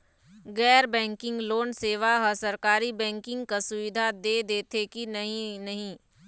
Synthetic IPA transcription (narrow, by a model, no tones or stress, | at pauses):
ɡɛːɾbɛ̃ːŋkɪ̃ŋɡloːnseːʋaɦɐsɐɾkaːɾibɛ̃ːŋkɪ̃ŋɡkasʊʋɪd̪ʱad̪eːd̪eːt̪ʰekinɐɦĩnɐɦĩː